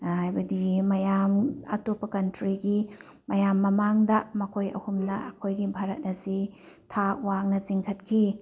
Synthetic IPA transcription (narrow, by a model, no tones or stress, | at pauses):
hajbɐdimɐjamɐ̰topːɐkɐntɾiɡi | mɐjamːɐmaŋdɐmɐkʰojɐ̰humnɐɐkʰojɡibʱaɾɐt̚nɐsi | tʰawaŋnɐziŋkʰɐtkʰi